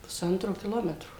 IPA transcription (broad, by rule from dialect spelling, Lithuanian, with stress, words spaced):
pʊˈsɐntroː kʲɪˈlˠoːmʲɛtroː